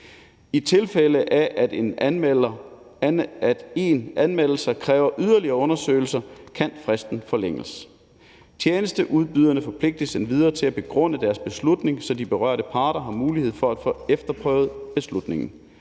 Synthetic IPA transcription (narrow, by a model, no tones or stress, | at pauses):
it͡sʰe̝lfeləʔæʔen | d̥e̝nʔænmel̰l̩sɐkʰʁɛːʊɐʔyð̞ˠɐliɐːɔ̽nɐsø̰ɪl̩sɐkʰænfʁasd̥n̩fɒ̽leŋ̰ləs | t͡sʰjeːnəsd̥əʔuð̞ˠb̥yð̞ˠɐnəfɒ̽pʰle̝ɡ̥̚d̥əsenʋið̞ˠɐːt͡sʰe̝læb̥e̝ɡ̥ʁɔ̽n̰əd̥æɐsb̥e̝slud̥ne̝ŋsɒ̽d̥ib̥e̝ʁɶ̰ɐ̰ɾəpʰɑ̈ːɾ̥ɐɦɑ̈muːlihe̝ð̞̰ˠfɒ̽æd̥foefd̥ɐpʰʁœːʊð̩ˠb̥e̝slud̥ne̝ŋn̩